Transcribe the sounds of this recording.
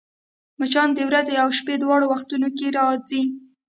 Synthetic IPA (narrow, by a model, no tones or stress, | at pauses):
mʊt͡ʃɑnd̪əwɾazeawʃped̪wɑɽowaxt̪unokeɾɑd͡zi